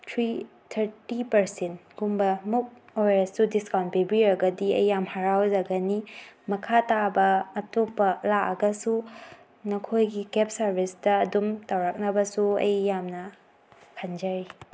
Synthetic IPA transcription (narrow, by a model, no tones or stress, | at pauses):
tʰɾi | tʰɐɾtipɐɾsentɡumbɐmuk̚ojɾessudiskawnt̚pibiɾɐɡɐdiɐ̰jːamhaɾawd͡ʒɐɡɐnimɐkʰatabɐːtopːɐlaʔɐɡɐsu | nɐkʰojɡikep̚sɐɾbʱistɐːdumtawɾak̚nɐbɐsuɐ̰jːamnɐ | kʰɐnd͡ʒɐɾi